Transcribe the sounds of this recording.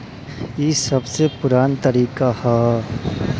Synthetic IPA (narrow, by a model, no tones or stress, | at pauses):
jiːsɐbsepʊɾaːnt̪ɐɾiːkahɛː